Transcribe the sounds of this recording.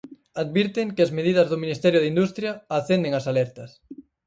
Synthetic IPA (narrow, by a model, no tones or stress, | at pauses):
aðβiɾt̪ɪŋkɪɐzmeðiðɐzðʊminist̪ɛɾjʊðind̪ust̪ɾjɐaθend̪eŋasalɛɾt̪ɐs